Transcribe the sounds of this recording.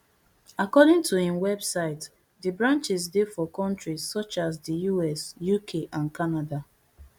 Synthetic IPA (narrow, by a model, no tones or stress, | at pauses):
akɔdɪ̃ŋtʰuhĩnwɛbsaɪt | dibɹãnt͡ʃisdefɔkɔ̃ntɹissɔt͡ʃaz̬dijuɛsjukʰeʔãnkanada